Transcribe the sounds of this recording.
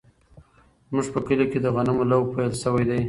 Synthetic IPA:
zmuʐpəkəliked̪əɣanamolawpajlʃəwajd̪aj

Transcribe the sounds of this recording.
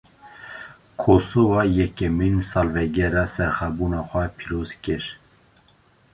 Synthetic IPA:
kʰosovɑːjɛkɛminsɑːlvɛɡɛɾɑːsɛɾχɛbuːnɑːxʷɛpʰiɾoːzkɪɾ

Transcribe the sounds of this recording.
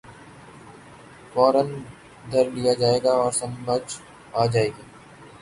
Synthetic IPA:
fɔːɾən | d̪ʱəɾlijad͡ʒaːeːɡaɔːɾsɐ̃məd͡ʒ | aːd͡ʒaːeːɡaː

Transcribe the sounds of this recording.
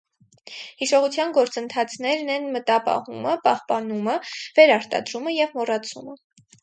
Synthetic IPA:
hiʃɔʁut͡sʰjɑnɡɔɾt͡sənt̪ʰɑt͡sʰnɛɾnɛnmət̪ɑpɑ̰huməpɑhpɑnuməvɛɾɑɾt̪ɑ̰d̪ɾuməjɛvmɔrɑt͡sʰumə

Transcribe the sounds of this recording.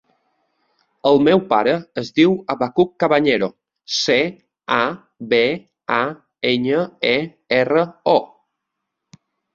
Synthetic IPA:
əlˠmewpaɾəːzd̪iwaβakukːaβaɲeɾo | se | a | be | a | eɲəe | erəo

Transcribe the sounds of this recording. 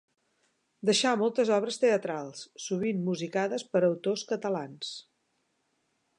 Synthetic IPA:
d̪əʃamɔlˠt̪əzɔβ̞ɾəst̪eət̪ɾalˠsːuβ̞imːuzikaðəspəɾəwt̪oskət̪əlans

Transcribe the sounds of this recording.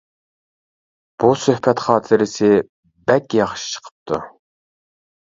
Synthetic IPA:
b̥usøhpʰɛt̪χɑːt̪ʰɪɾɪsɪ | bɛkʲjɑχʃi̥t͡ʃʰə̥qʰə̥p̚t̪ʰṵ

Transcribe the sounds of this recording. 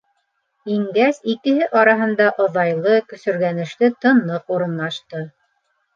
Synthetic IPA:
iŋɡæsikɘ̆ɦɘʔɑɾɑɦɤ̆nd̪ɑʔŏðɑjlˠɤkɵ̆sɵ̆ɾɡænɘ̆ʃt̪ɘt̪ɤ̆nlˠɤquɾɤ̆nlˠɑʃt̪ɤ

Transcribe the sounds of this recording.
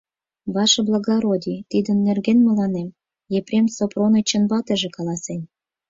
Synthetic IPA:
βɑʃɤ̆blˠɑɣɑɾod̪ʲit̪id̪ə̆nːerɣenmə̆lɑnem | jeprʲemsopronɤt͡ɕə̆nbɑt̪ə̆ʒĕkɑlɑsen

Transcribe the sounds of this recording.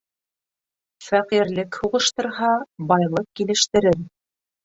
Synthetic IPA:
fæqiɾlɘkhuʁɤ̆ʃt̪ɤ̆ɾɦɑbɑjlˠɤq̚kilɘ̆ʃt̪ɘ̆ɾɘɾ

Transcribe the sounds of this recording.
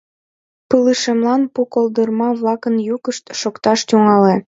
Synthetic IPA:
pəlɨʃemlɑnpukold̪ərmɑβlɑkənjukəʃt̪ʃokt̪ɑʃt̪uŋɑle

